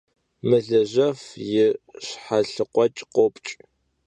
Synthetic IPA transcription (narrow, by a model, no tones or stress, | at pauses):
mɨɮɐʑɐfjɪɕħaɬɨqʷʼɔt͡ʃʼqʷopʼt͡ʃʼ